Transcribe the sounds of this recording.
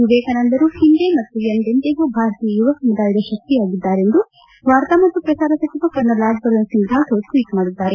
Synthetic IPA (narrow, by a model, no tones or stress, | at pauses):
juʋeːkɐnɐnd̪ɐɾuhind̪emɐt̪ːujɐnd̪ent̪eɡuːbʱaːɾɐt̪ijɐjuʋɐkɐmud̪aːjid̪ɐʃɐk̚t̪iaːɡid̪ːaːɾe̞nd̪u | ʋaːɾt̪ɐmɐt̪ːupɾɐsaːɾɐsɐt͡ʃʰibɐkɐɾnɐlaːbbɐɾɐnsind̪ʱaːt̪oːʈʋiːʈmaːɽid̪ːaːɾe